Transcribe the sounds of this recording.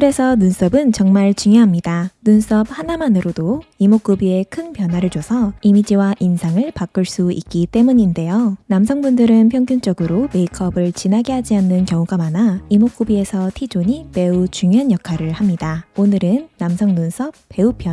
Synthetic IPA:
kɯɾe̞sʰʌnuns͈ʰʌbɯnt͡ɕʌŋmaɭt͡ɕuŋjoɦamɲidanuns͈ʰʌp̚hanamanɯɾodoimok͈ubie̞kʰɯnpjʌnɦwaɾɯɭt͡ɕosʰʌimid͡ʑiwaʔinsʰaŋɯɭpak͈ɯɭs͈uʔik̚k͈it͈e̞muɲinde̞jonamsʰʌŋbundɯɾɯnpʰjʌŋɡjunt͡ɕ͈ʌɡɯɾome̞ikʰʌbɯɭt͡ɕinaɡeɦad͡ʑianːɯnkjʌŋuɡamanaimok͈ubie̞sʰʌtʰid͡ʑoɲime̞ut͡ɕuŋjoɦanjʌkʰaɾɯɭhamɲidaonɯɾɯnːamsʰʌŋnunsʰʌp̚ːe̞upʰjʌn

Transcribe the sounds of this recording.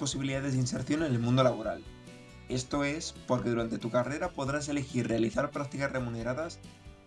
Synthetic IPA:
po̞siβiliðaðe̞zðinse̞ɾθjo̞nenelmũnd̪olaβ̞o̞ɾa̰l | e̞st̪o̞e̞spo̞ɾkeðuɾant̪e̞t̪ukare̞ɾapo̞ðɾas̬e̞le̞xiɾre̞aliθaɾpɾak̚t̪ikasre̞mune̞ɾaðas

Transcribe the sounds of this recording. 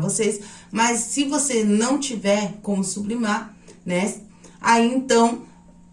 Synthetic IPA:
vosesmɐsːɪvosenɐ̃w̃t͡ʃivɛɾkõmʊsublimaɾ | nɛs | aiẽnt̪ɐ̃w̃

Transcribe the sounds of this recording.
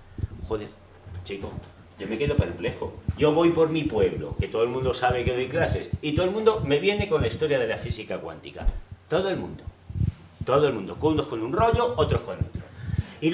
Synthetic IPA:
xoðeɾ | t͡ʃiko | ɟ͡ʝo̞me̞ke̞ðope̞ɾple̞xo̰ɟ͡ʝo̞βo̞jpo̞ɾmipwe̞βlo̰ke̞t̪o̞ðolmũnd̪o̞saβ̞e̞keðo̞jklase̞sit̪oelmũnd̪ome̞βje̞ne̞ko̞nlaist̪o̞ɾjaðe̞lafisikakwa̰nt̪ika̰t̪o̞ð̞oe̞lmṵ̃nd̪o̞ | t̪o̞ðoe̞lmũnd̪o̞kuno̞sko̞nunro̞ʎo̞ot̪ɾo̞sko̞no̰t̪ɾo̰i

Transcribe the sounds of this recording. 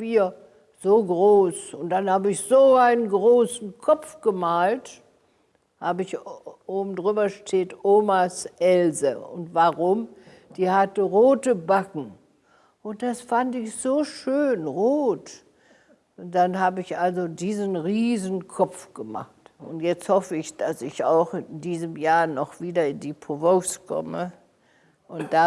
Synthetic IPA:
b̥iːɐ | z̥oːɡʁoːsʊnt̚d̥anhaːbəɪçz̥oːʔaɪnənɡʁoːsn̩kʰɔp͡fɡ̥əmaːlt | haːbəɪçʔoːbm̩dʁyːbɐʃtʰeːtʔoːmasʔɛlzəʊ̰ntvaːʁʊm | d̥iːhatəʁoːtəbakŋ̩ | ʔʊntd̥asfantɪçz̥oːʃøːnʁoːt | ʊd̥anɦaːbəɪçʔalzodiːzənʁiːzənkʰɔp͡fɡ̥əma̰χtʔʊntjɛt͡sthɔfəɪçd̥asɪça̰ʊxɪnndiːzəmjaːɐnɔχv̥iːdɐɪndipʁovoskʰɔ̰mə | ʔʊntd̥a

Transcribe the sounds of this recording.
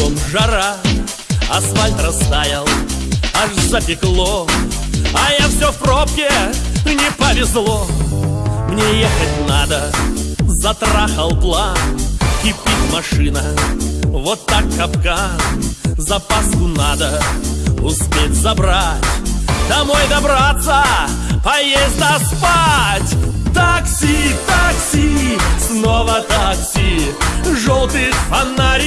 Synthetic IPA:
t̪omʐɐɾa | ɐsvalʲt̪ɾɐst̪ajɪlˠaʂzɐpʲɪklˠo | ɐjafsʲofprop̚kʲɪnʲɪpəvʲɪzlˠo | mnʲejexət̚ʲnad̪ə | zɐt̪ɾaxəlˠp̪lˠa | kɪpʲːitʲmɐʂɨnə | vot̪ːakːɐpka | zɐpaskʊnad̪ə | ʊspʲetʲzɐbɾatʲd̪̥ɐmojd̪ɐbɾat̪sə | pɐjezʲd̪ɐspatʲt̪aksʲit̪aksʲisnovət̪aksʲi | ʐolˠt̪ɨjxfɐnaɾʲ

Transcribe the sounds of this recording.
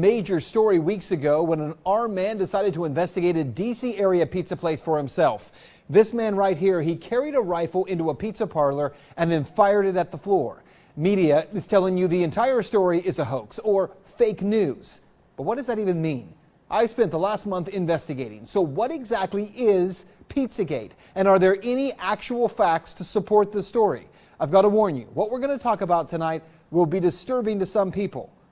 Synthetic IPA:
meɪd͡ʒə˞stɔɹiwiksɨɡoʊwə̃nə̃nɑɹmːæ̃ndɨsaɪɾɨd̚tʰəɨ̃ɱvɛstɨɡeɪɾɨdisiɛɹiɨpʰitsɨpʰl̥eɪsfə˞hɨ̃msɛlˠf | ðɪsmæ̃nɹaɪt̚ɦiɹikʰɛɹiɾəɹaɪfl̩ˠɪ̃ntuəpʰitsəpʰɑɹlˠə˞ | ɨ̃nðɨ̃nfaɪə˞ɾɨɾɨt̪̚ðəflɔɹ | miɾiɨɨz̥tʰɛlˠɪ̃ŋjɨðiɨ̃ntʰaɪə˞stɔɹiʔɪzəɦoʊksə˞ | feɪknʉz̥ | b̥ʌt̚wʌt̚d̥ʌzðɨɾivɨ̃nmĩn | ʔaɪ̥spɛ̃nðəlæst̚mʌ̃nθɪ̃ɱvɛstɨɡeɪɾɪ̰̃ŋsoʊwʌɾɨɡzæk̚tˡliʔɪz̥ | pʰitsɨɡeɪɾ | ɨ̃nə˞ðə˞ʔɛñiʔæk̚t͡ʃuwl̩ˠfæk̚tstʰɨsəpʰɔɹt̪̚ðɨstɔɹḭ | aɪvɡɑɾəwɔɹnjɨ̰wʌt̚wɨɹɡʌnɨtʰɔkɨbaʊtʰɨnaɪt̚ | wɪlˠbidɨstɜ˞bɪ̃ŋtɨsʌ̃mpʰipl̩ˠ

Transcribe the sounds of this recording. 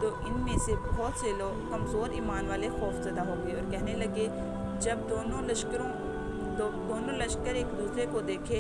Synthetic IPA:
t̪oːʔɪnmẽsebɦɔːt̪seːlo | kɐmzoːɾiːmaːnʋaːlexɔːfzɐd̪aɦoːɡəeɔːɾkɛɦnelɐɡe | d͡ʒɐbd̪oːnõlɐʃkɾõ | od̪oːnõlɐʃkəɾeːkd̪uːsɾekod̪eːkʰeː

